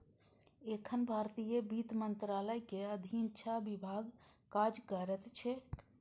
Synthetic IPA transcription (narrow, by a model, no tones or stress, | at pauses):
ekʰənbʱaɾt̪ijəbit̪mənt̪ɾaləjkeəd̪ʱit͡ʃʰabibʱaɡkad͡ʒkəɾɛt̪t͡ʃʰɛ